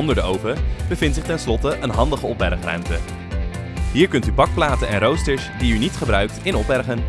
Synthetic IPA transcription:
ɔndəɹdəowpəbəvɪntsɪχtɛnslɔtəʔənɦɑndəχəɔpʋɛ̰rχrœ̰ɥmtə | ɦiːɹkɵntybɑk̚plaːtənɛ̰nrowstəɹsdiynitχəbrœɥk̚tɪnɔpʋɛrχən

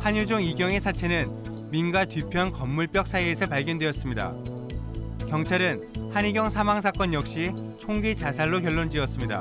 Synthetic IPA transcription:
haɲjud͡ʑoŋiɡjʌŋe̞sʰat͡ɕʰe̞nɯn | minɡwatɥipʰjʌnkʌmːuɭp͈jʌk̚s͈ʰaiesʰʌpaɭɡjʌndweʌs͈ɯmɲida̰ | kjʌŋt͡ɕʰaɾɯn | haɲiɡjʌŋsʰamaŋs̬ʰak͈ʌnjʌk̚ɕ͈i | t͡ɕʰoŋɡit͡ɕasʰaɭːokjʌɭːond͡ʑiʌs͈ɯmɲida̰

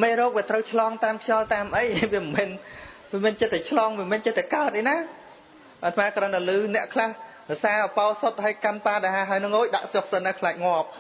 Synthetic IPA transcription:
meːrɔːk̚ʋiət̪rəwt͡ɕʰlɑːŋt̪aːmkʰjɑlt̪aːmʔəjʋiəmɛnʋiəmɛənt͡ɕət̪ːɛt͡ɕʰlɑːŋməmɛənt͡ɕət̪ːɛkaət̪̚ʔəjnaː | ʔət̪ʰmaːkrənt̪alɨːnɛ̆əʔkʰlahrɔ̆ʔsaːʔɔpaɔsot̪̚haəjkanpaːɗaɦaːɦaəjnɨŋʔoːc̚ɗa̰ʔsoh̚sənakʰlaːk̚ŋŏəp̚

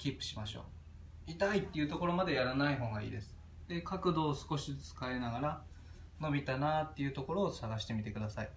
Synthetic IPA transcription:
kʲipːɯ̟ɕimaɕo̞̰ː | it̪ait̪ːe̞iɯ̟ːt̪o̞ko̞ɾo̞mad̪e̞jaɾanaiɦo̞ːŋɡaḭːd̪e̞sɨ̥ | d̪̥e̞kakɯ̟d̪o̞ːsɨ̥ko̞ɕit͡sɨ̥kae̞naɡaɾa | no̞bʲit̪anat̪ːe̞jɯ̟ːt̪o̞ko̞ɾo̞ːsaɡaɕi̥t̪e̞mʲit̪e̞kɯ̟d̪asai

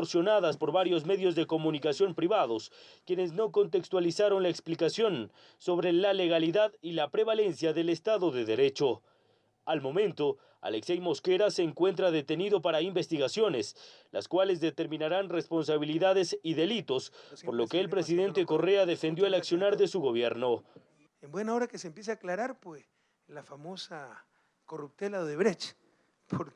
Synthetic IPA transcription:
ɾsjo̞naðaspo̞ɾβaɾjo̞z̬me̞ðjo̞zðe̞ko̞mũnikasjo̞mpɾiβaðo̞skje̞ne̞zno̞ko̞nt̪e̞kst̪walisaɾo̞nlaeksplikasjo̞n | so̞βɾe̞lale̞ɣ̞aliðaðilapɾe̞βale̞nsjaðe̞lest̪aðo̞ðe̞ðe̞ɾe̞t͡ʃo | almo̞mẽnt̪o̞ | a̰leksejmo̞ske̞ɾaseːŋkwe̞nt̪ɾaðe̞t̪e̞niðo̞paɾaimbe̞st̪iɣasjo̞ne̞s | lʔa̰skwale̞zðe̞t̪e̞ɾmĩnaɾanre̞spo̞nsaβ̞iliðaðe̞siðe̞lit̪o̞spo̞ɾlo̞keːlpɾes̬iðe̞nt̪e̞ko̞re̞aðe̞fe̞nd̪jo̞elaksjo̞naɾðe̞suɣo̞β̞je̞ɾno̞ | embwe̞naoɾakeseːmpjes̬eaklaɾaɾpwes | lafamosa | korup̚t̪elaðeβɾet͡ʃ | pʰoɾ

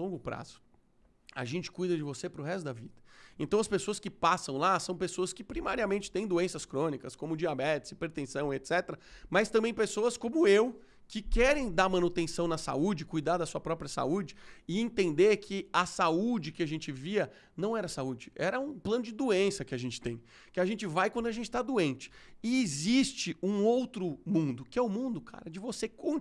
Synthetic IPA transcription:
lõɡʊpɾa̰z̥ʊ̥ | a̰ʒẽnt͡ʃɪ̥kujd̪ɐd͡ʒɪvosepɾʊɦɛst̪ʊd̪ɐvid̪ɐẽt̪ɐ̃w̃ɐspesoɐskɪpasɐ̃w̃lasɐ̃w̃pesoɐskɪpɾimaɾiɐmẽnt͡ʃɪ̥t̪ẽj̃d̪oẽsɐskɾõnikɐskõmʊd͡ʒiabɛt͡ʃ̪ɪz̥ɪpeɾt̪ẽsɐ̃w̃et̪sɛt̪eɾɐmɐst̪ɐ̃mbẽj̃pesoɐskõmʊew | kɪkɛɾẽj̃d̪aɾmɐ̃nut̪ẽsɐ̃w̃nɐsa̰ud͡ʒɪɪkujd̪aɾd̪ɐsuɐpɾɔpɾiɐsa̰ud͡ʒɪɪẽt̪ẽnd̪eɾkʰɪɐsaud͡ʒɪkɪaʒẽnt͡ʃɪviɐ | nɐ̃w̃ɛɾɐsaud͡ʒɪɛ̰ɾɐũplɐ̃nʊd͡ʒɪd̪uẽsɐkɪaʒẽnt͡ʃɪ̥t̪ḛ̃j̃ | kɪaʒẽt͡ʃɪvajkwɐ̃nd̪ʊaʒẽnt͡ʃɪt̪ad̪uẽnt͡ʃɪ̥ɪɪzist͡ʃɪũowt̪ɾʊmũd̪ʊkɪɛʊmũnd̪ʊkʰa̰ɾɐd͡ʒɪvosekõ

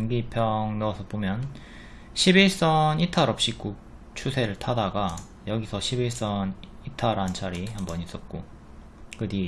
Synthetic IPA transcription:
nɡipʰjʌŋnʌʌsʰʌpomjʌn | ɕʰibiɭs͈ʌnitʰaɾʌp̚ɕ͈ik͈uk̚ | t͡ɕʰusʰe̞ɾɯɭtʰadaɡa | jʌɡisʰʌɕʰibiɭs͈ʌn | itʰaɾant͡ɕʰaɾihambʌɲis͈ʌt̚k͈o | kɯdi

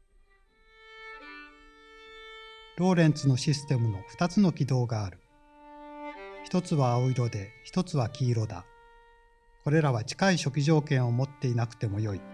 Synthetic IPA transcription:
ɾo̞ːɾẽ̞nt͡sɨno̞ɕisɨ̥t̪e̞mɯ̟no̞ɸɯ̥t̪at͡sɨno̞kʲid̪o̞ːɡaːɾɯ̟̥ | çʲi̥t̪o̞t͡sɨβaːoiɾo̞d̪e̞çi̥t̪o̞t͡sɨβakʲiːɾo̞d̪a̰ | ko̞ɾe̞ɾaβat͡ɕi̥kaiɕo̞kʲiʑo̞ːkẽ̞ɰ̃o̞mo̞t̪ːe̞inakɯ̟̥t̪e̞mo̞jo̞i

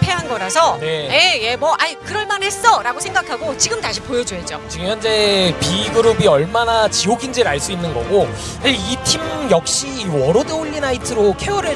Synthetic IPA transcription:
pʰeɦanɡʌɾasʰʌne̞jeje̞mwʌʔaikɯɾʌɭmanɦe̞s͈ʌɾaɡosʰe̞ŋɡakʰaɡot͡ɕiɡɯmtaɕʰipojʌd͡ʑoɦed͡ʑot͡ɕiɡɯmjʌnd͡ʑe̞piɡɯɾubiʌɭmanat͡ɕiɦoɡind͡ʑeɾaɭs͈uinːɯnɡʌ̰ɡo | aitʰimjʌk̚ɕ͈iwʌɾodeoʎːinaitʰɯɾokʰewʌɾɯɭ

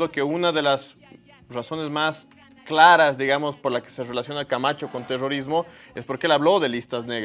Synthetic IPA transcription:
oke̞unaðe̞las | raso̞ne̞zmas | klaɾazðiɣamo̞spo̞ɾlaske̥sere̞lasjo̞nakamat͡ʃo̞ko̞nt̪e̞ro̞ɾizmo̞ | e̞spo̞ɾkeelaβlo̞ðe̞list̪azneɣ

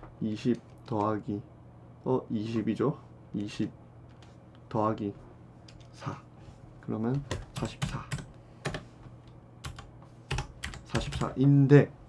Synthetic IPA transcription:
iɕʰip̚tʌɦaɡi | ʌiɕʰibid͡ʑo | iɕʰip̚ | tʌɦaɡi | sʰa | kɯɾʌmjʌnsʰaɕʰi̥p̚s͈ʰa | sʰaɕʰi̥p̚s͈a̰ʔinde

